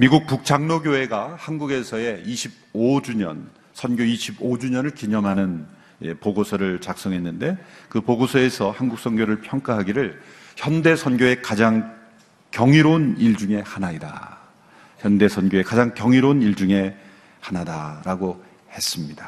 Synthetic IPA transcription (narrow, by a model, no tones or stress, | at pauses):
miɡuk̚puk̚t͡ɕ͈aŋnoɡjoɦe̞ɡahanɡuɡe̞sʰʌe̞iɕʰib̚od͡ʑuɲʌ̰n | sʰʌnɡjoiɕʰibod͡ʑuɲʌnɯɭkiɲʌŋɦanɯn | epoɡosʰʌɾɯɭt͡ɕak̚s͈ʌŋɦe̞nːɯnde̞kɯpoɡosʰʌe̞sʰʌhanɡuk̚s͈ʰʌŋɡjoɾɯɭpʰjʌŋk͈aɦaɡiɾɯɭ | çjʌnde̞sʰʌnɡjoe̞kad͡ʑaŋ | kjʌŋiɾoniɭd͡ʑuŋe̞hanaida̰ | çjʌnde̞sʰʌnɡjoe̞kad͡ʑaŋkjʌŋiɾoniɭd͡ʑuŋe̞ | hanadaɾaɡo | he̞s͈ɯmɲida